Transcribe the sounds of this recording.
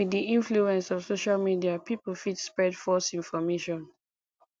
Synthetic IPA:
widiĩnfluɛ̃nsɔv̥soʃalmidiapʰipəlfitspɹɛdfɔsĩnfɔmeʃɔ̃n

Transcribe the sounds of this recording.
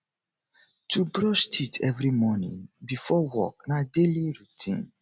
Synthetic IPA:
tubɹɔʃtʰitʰɛvɾimɔnḭ̃nbifɔwɔ̰k̚nadeliɹutʰḭ̃n

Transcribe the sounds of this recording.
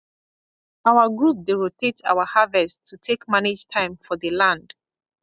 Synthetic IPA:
awaɡɹup̚deɹotʰetʰa̰wahavɛstʰːutʰekmaned͡ʒtʰãɪ̃mfɔðəlãnd̥

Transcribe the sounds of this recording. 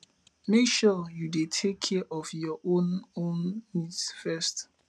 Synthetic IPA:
mekʃɔjudetʰekʰːɛʔɔfjɔʔõnõnːidsfɛst

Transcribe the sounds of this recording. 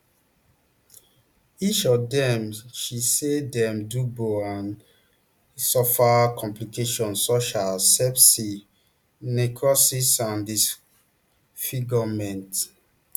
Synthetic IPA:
it͡ʃɔvdɛ̃mʃisedɛ̃mduboãn | sɔfakʰɔ̃mplikeʃɔ̃nsoʃalsɛpsi | nekʰɹɔsisãndis | fiɡɔmɛ̃nt

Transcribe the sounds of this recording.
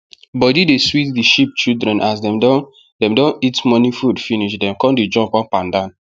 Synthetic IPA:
bɔdideswitdiʃip̚t͡ʃildɹɛ̃nʔasdɛ̃mdɔ | dɛ̃mdõnitmɔnifudfiniʃdɛ̃mkɔ̃nded͡ʒɔ̃pɔpãndãn

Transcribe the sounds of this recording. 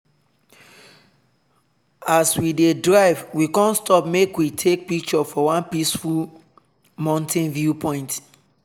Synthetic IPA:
aswidedɹaɪvwikɔ̃nstɔpmekwitʰek̚pik̚t͡ʃɔfɔwãnpisful | mãntɛ̃nvjupʰɔ̃ɪ̃nt

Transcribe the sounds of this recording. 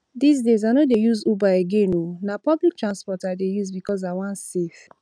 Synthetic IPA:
dis̬dezanodejuzubaeɡenonapɔblik̚tɹãnspɔtadejuzbikɔz̬awãnsef

